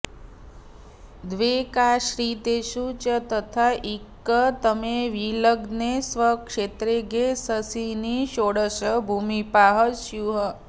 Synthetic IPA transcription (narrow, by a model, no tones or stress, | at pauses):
d̪ʋekaɕɾit̪eɕut͡ɕət̪ət̪ʰaʔikːət̪əmeʋiləɡnesʋəkʂet̪ɾeɡesəsiniɕoɽəɕəbʱumipaɦəɕjuɦə